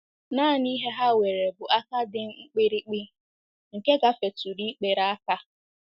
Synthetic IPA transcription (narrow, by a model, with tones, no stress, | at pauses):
naː˦˨ni˦ɦe˦ɦa˦we˨ɾe˨bʊ˨ʔa˦ka˦dɪ˦ŋ̩˦ŋ͡m̩˦k͡pe˦ɾi˦k͡pi˦ | ŋ̩˨ke˦ɡa˨fe˨tu˨ɾi˦k͡pe˨ɾa˦a˦ka˦